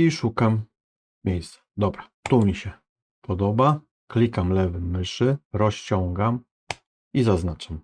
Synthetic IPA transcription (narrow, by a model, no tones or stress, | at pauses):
iʂukam | mʲejst̪sḁd̪ɔbɾa | t̪umʲiɕɛ | pɔd̪ɔba | klʲikamlɛvɘmɘʂɘɾɔɕt͡ɕɔŋɡam | izaznat͡ʂam